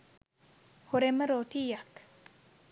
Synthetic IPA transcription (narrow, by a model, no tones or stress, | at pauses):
hoɾɛmaɾotijak